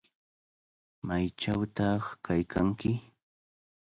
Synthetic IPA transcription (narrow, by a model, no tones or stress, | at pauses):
majt͡ʃawt̪ɑχkajkʰaŋkɪ